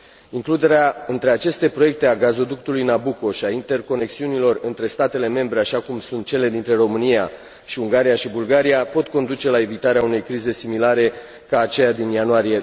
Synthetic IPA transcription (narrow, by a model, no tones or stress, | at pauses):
iŋklud̪e̞ɾeaɨnt̪ɾe̞at͡ʃe̞st̪e̞pɾo̞je̞k̚t̪e̞aɡazo̞d̪uk̚t̪ulujnabuko̞ʃiaint̪e̞rko̞ne̞ksiunilo̞rɨnt̪ɾe̞st̪at̪e̞le̞me̞mbɾe̞aʃakumsunt̪̚t͡ʃe̞le̞d̪int̪ɾe̞ɾo̞mɨnija̰ | ʃiuŋɡaɾijaʃibulɡaɾijapo̞t̪̚ko̞nd̪ut͡ʃe̞lae̞vit̪aɾeaune̞jkɾize̞similaɾe̞ | kaːt͡ʃe̞jad̪injanuaɾije̞